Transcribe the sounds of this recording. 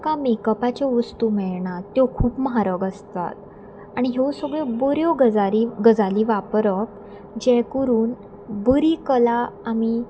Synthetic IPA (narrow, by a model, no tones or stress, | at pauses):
kamekəpat͡ɕɔʋəst̪umɛɭɳat̪jokʰuːpməɦaɾəɡəst̪a̰t̪̚ | aɽ̃iɦewsəɡɭebəɾjoɡəd͡zaɾiɡəd͡zaliːʋapɾək | d͡ʑɛkəɾuːn | bəɾiːkəlaːmi